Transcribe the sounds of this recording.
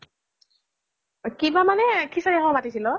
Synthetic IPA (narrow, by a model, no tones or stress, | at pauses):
kibamanɛkʰisadɛɦɔɔpatisilɔ